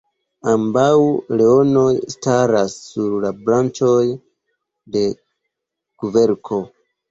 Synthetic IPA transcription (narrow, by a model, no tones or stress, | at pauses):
ambawle̞o̞no̞jstaɾasːuɾlabɾant͡ʃo̞j | de̞ | ɡ̥uve̞ɾkʰo̞